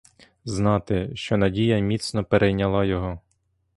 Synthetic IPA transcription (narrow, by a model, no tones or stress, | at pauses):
znɑt̪ɪʃt͡ʃɔnɐdʲijɐmʲit̪snɔpeɾʔejnʲɐlˠɑjɔɦɔ